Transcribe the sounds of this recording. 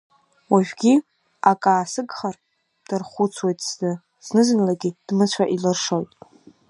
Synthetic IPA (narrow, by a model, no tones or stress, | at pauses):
waʒᶣɡʲi | akʼaːsɨɡχar | d̥ɨrχʷut͡sʰwajtʼsnɨ | z̥nɨzɨnlaɡʲid̥mɨt͡ɕʷʰaʔilɨrʂojtʼ